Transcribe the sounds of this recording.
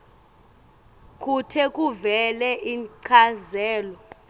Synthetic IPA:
kʼutʰɛkʼuvɛlɛʔiǀʰazɛːlɔ

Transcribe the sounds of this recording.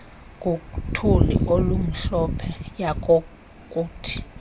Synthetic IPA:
k̬ʼukutʰulḭolum̩ɬɔpʰɛjak̬ʼo | kʼuːtʰi̥

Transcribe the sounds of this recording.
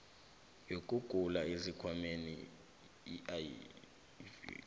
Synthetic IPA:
jok̬ʼuɡ̥ʱulaezikʰwamenḭ | a

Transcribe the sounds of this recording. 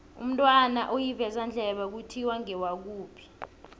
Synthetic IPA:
ṵm̩tʼwanaʔojivɛzand͡ɮʱɛɓak̬utʰiwaŋɛwak̬uːpʰi̥

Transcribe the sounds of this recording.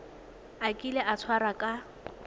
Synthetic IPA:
akʼilɛʔat͡sʰwaɾakʼa

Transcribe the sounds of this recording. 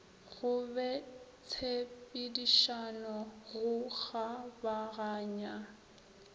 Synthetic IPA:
ɣʊbɛt͡sʰepʼɪdiʃanɔɣʊɣabaɣaːɲa

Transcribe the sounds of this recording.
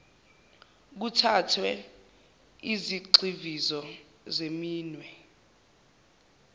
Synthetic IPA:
k̬utʰatʰwɛ | iziǃivizɔ | zemiːnwɛ

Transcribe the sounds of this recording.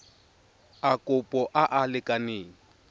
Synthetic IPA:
akʼʊpʼɔʔaʔalɪkʼaneːŋ̩

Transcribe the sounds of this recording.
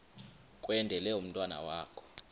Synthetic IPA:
kʼwɛndʱɛlɛum̩tʼwana̰waːkʰɔ̥

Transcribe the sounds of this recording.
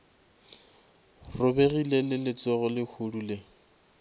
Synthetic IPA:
rʊbeɣilelɪlɪt͡sɔɣʊlɪkʰudule

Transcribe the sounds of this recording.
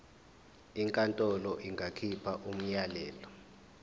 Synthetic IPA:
iŋkʼantʼɔlɔʔiŋɡʱakʰipʰaʔum̩jalɛːlɔ

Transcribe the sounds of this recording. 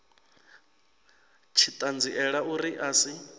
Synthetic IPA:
t͡ʃʰit̪ʼand͡ziʔɛɺaʔuɾiʔaːsi

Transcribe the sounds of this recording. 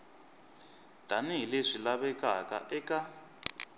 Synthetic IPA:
d̥ʱaniɦileʂilaβɛkʼaka̰ʔɛkʼa

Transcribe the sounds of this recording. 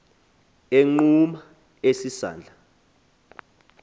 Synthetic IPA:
eŋ͡ǃuma | esisa̰ːnd͡ɮʱa

